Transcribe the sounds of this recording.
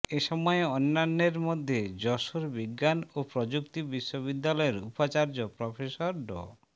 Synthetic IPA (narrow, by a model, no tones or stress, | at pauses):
eʃɔmɔeonːanːeɾmod̪ʱːed͡ʑɔʃoɾbiɡːanopɾod͡ʑuk̚t̪ibiʃːoβid̪ːalɔeɾṵpat͡ɕaɾd͡ʑopɾɔfʰesoɾɖo̰